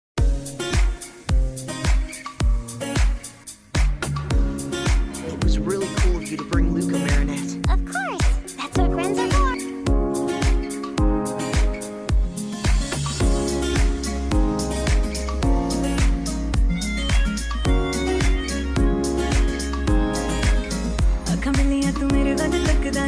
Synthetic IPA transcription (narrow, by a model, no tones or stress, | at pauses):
wʌt̚wʌzɹilˠkʰulˠʌvjɨɾɨbɹɪ̃ŋlʉkɨmɛɹɨnɛtʌv̥kʰɔɹsðætsəɡɹæ̃nzəɔd | akʰʌ̃mɨ̃nðiɛtəmeɪɾɨðakɨlɪkɨða